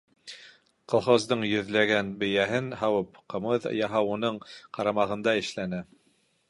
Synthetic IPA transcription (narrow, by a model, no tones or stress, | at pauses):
qɤ̆lˠχozd̪ɤɴjɵ̆ðlæɡænbɘ̆jæɦɘnɦɑwɤpqɤ̆mɤðɤ̰jɑɦɑwunɤɴqɑɾɑmɑʁɤ̆nd̪ɑɘ̆ʃlænɘ